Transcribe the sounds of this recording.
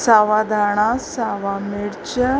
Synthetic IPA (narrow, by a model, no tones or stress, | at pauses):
saʋad̪ʱaɽ̃asaʋameɽt͡ɕə